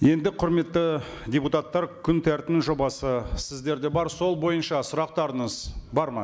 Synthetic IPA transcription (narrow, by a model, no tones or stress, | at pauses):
je̞nd̪ɪqʰʊɾme̞t̪ːɪ | d̪ʲeput̪at̪ːɑɾkʲʰʏnt̪ʰæɾt̪ɪnʒo̞bɑsəsɪzd̪e̞ɾd̪e̞bɑɾso̞lˠbo̞jənʃɑsʊɾɑqt̪ɑɾəɴəzbɑɾmɑ̰